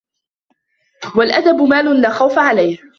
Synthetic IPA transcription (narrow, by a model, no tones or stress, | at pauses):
walʔad̪abʊmaːlʊnlaːxawfaʕalajh